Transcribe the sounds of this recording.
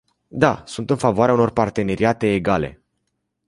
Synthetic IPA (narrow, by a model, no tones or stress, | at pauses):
d̪asunt̪ɨnfavoaɾeauno̞rpart̪e̞ne̞ɾiat̪e̞ːɡale̞̰